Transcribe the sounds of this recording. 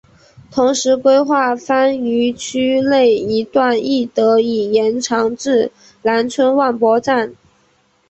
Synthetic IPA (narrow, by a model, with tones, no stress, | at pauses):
t̪ʰʊ˧˥ŋʂɻ̩˧˥kwe˥ɪxwa˥˩fa˥ny˧˥t͡ɕʰy˥le˥˩ɪi˧˥t̪wa˥˩ni˥˩t̪ɤ˧˥i˨˩jɛ˧˥nʈ͡ʂʰɑ˧˥ŋʈ͡ʂɻ̩˥˩ | la˧˥nt͡sʰwə˥nwa˥˩npwɔ˥ʈ͡ʂa˥˩n